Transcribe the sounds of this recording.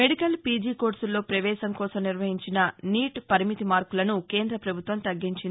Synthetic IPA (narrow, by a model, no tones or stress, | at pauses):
meɽikɐlpiːd͡ʒiːko̞ːɾsulːo̞ːpɾɐʋɛːʃɐmkɔːsɐmniɾʋɐɦiɲt͡ʃinɐniːʈpɐɾimit̪imaːɾkulɐnuke̞ːnd̪ɾɐpɾɐbʱut̪ʋɐmt̪ɐɡːiɲt͡ʃin